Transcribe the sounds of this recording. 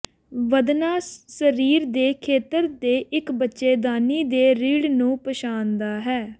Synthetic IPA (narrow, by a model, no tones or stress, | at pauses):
ʋəd̪naːsəɾiːɾd̪eːkʰeːt̪əɾd̪eːʔɪkbətːʃeːd̪aːniːd̪eːɾiːɽnũːpəʃaːnd̪aːɦɛː